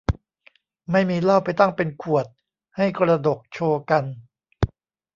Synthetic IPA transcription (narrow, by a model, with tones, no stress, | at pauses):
ma˥˩jmiː˧la˥˩wpa˧jt̪a˥˩ŋpe˧nkʰu˨˩ət̪̚ | ha˥˩jkɾa˧do˨˩k̚t͡ɕʰoː˧ka˧n